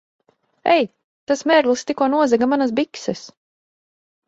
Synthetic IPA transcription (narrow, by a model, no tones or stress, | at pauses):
ɛ̰j | t̪asmʲɛɾɡlˠst̪ikuɔnuɔzɛɡamanas̬biksɛs